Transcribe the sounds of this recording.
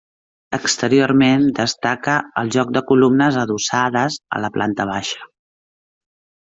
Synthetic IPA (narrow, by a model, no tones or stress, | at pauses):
əkst̪əɾioɾmend̪əst̪akəəlˠʒɔk̚d̪əkulumnəzəðusaðəzə̰ləpla̰nt̪əβ̞aʃə̥